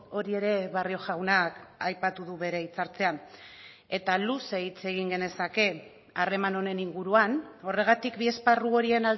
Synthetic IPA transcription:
o̞ɾie̞ɾe̞βario̞ʝawnakajpat̪uðuβe̞ɾe̞it͡saɾt͡se̞an | e̞t̪aluseit͡se̞ɣ̞iŋɡe̞ne̞sake̞ | are̞manone̞niŋɡuɾuano̞re̞ɣ̞at̪ikbie̞sparuo̞ɾie̞nal

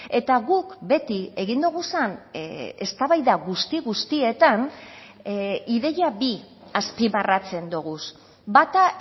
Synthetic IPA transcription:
e̞t̪aɣukbe̞t̪ie̞ɣind̪uɣ̞usane̞st̪aβajðaɣust̪iɣust̪ie̞t̪an | iðe̞jaβi | aspiβarat͡se̞nd̪uɣ̞us | bat̪a

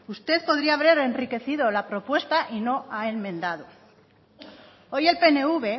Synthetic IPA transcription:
ust̪e̞ðpo̞ðɾiaːβɾe̞ɾe̞nrike̞θiðo̞lapɾo̞pwe̞st̪aʔino̞ae̞nmẽ̞nd̪að̞o̞ | o̞je̞lpe̞ne̞uβe̞

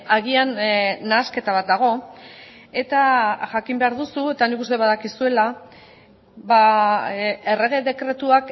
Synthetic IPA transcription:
aɣianːaske̞t̪aβat̪̚d̪aɣ̞o̞ | e̞t̪aʝakimbe̞aɾðusue̞t̪anikust̪e̞βaðakisue̞la | βa | e̞re̞ɣe̞ðe̞kɾe̞t̪uak

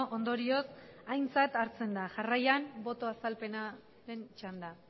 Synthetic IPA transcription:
ʔond̪o̞ɾio̞sajnt͡sat̪aɾt͡se̞nd̪aʝarajambo̞t̪o̞asalpe̞na | ɾe̞nt͡ʃand̪a

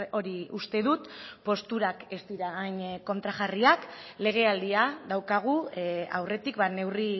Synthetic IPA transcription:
o̞ɾiust̪e̞ðut̪po̞st̪uɾake̞st̪iɾaːjnko̞nt̪ɾaʝariakle̞ɣ̞e̞ald̪iaðawkaɣ̞ua̰wre̞t̪ikbane̞wri

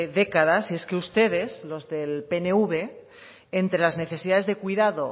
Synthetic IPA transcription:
ðe̞kaðasie̞ske̞ust̪e̞ð̞e̞zlo̞zðe̞lpe̞neuβ̞e | ent̪ɾe̞lazne̞θe̞siðaðezðe̞kwiðaðo

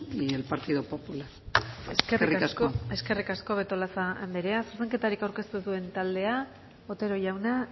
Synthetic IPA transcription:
elpaɾt̪iðopopulaɾeserikaskoe̞ske̞rikasko̞βe̞t̪o̞lasaːnd̪eɾeasoɾseŋke̞t̪aɾikawɾke̞st̪uðue̞nt̪ald̪e̞a | ot̪e̞ɾo̞ʝawna

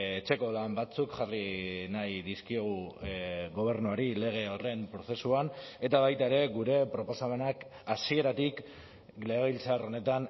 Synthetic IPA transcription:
et͡ʃe̞ko̞lambat͡sukʝarinajðiskioɣu | ɣo̞β̞e̞ɾnuaɾile̞ɣ̞e̞ore̞mpɾo̞θe̞suane̞t̪aβajt̪ae̞ɾe̞ɣuɾe̞pɾo̞po̞same̞nak | asie̞ɾat̪ik | leɣilt͡saro̞ne̞t̪an

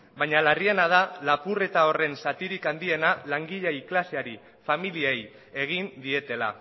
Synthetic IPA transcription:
baɲalarie̞nað̞alapure̞t̪ao̞re̞nsat̪iɾikand̪ie̞nalaŋɡiʎajklaseaɾi | familiej | e̞ɣ̞ind̪ie̞t̪e̞la̰

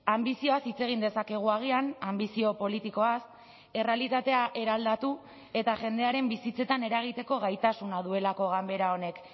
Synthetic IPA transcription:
ambisio̞asit͡se̞ɣ̞ind̪e̞sake̞ɣ̞uaɣ̞ianambisio̞po̞lit̪iko̞as | e̞re̞alit̪at̪e̞aʔe̞ɾald̪at̪u | e̞t̪aʝe̞nd̪e̞aɾe̞mbisit͡se̞t̪ane̞ɾaɣ̞it̪e̞ko̞ɣajt̪asunað̞ue̞lako̞ɣambe̞ɾao̞ne̞k

